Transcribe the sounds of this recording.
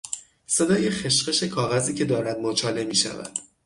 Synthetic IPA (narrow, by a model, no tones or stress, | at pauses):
se̞d̪ɒːjexeʃɢe̞ʃe̞kʰɒːɣæziːcʰe̞d̪ɒːɾæd̪̚mot͡ʃʰɒːle̞miːʃæ̰væ̰d̪̥